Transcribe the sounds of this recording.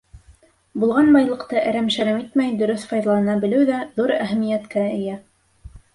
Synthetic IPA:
bulˠʁɑnbɑjlˠɤ̆qt̪ɤʔæ̆ɾæmʃæɾɘmit̪mæjd̪ɵ̆ɾɵθfɑjðɑlˠɤ̆nɑbɘ̆lɘwðæðuɾæɦæmijæt̪kæɘ̆jæ

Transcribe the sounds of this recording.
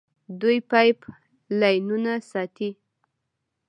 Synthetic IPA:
d̪ujpajp | lajnunasɑt̪i

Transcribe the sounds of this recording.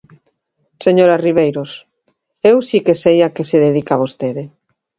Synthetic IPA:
seɲoɾariβejɾos | ewsikesejakeseðeðikaβ̞ost̪eðe

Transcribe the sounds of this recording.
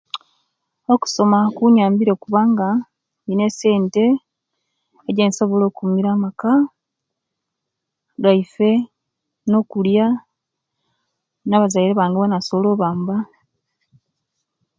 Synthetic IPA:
o̞ku̥so̞makuɲaːmbiɾo̞kuβaŋɡa | ine̞se̞ːnte̞ | ɟenso̞βo̞lo̞ːkumiɾaːmaka | ɡaife̞ | no̞kulja | naβazaiɾeβaːŋɡeβonasolo̞ːβaːmba

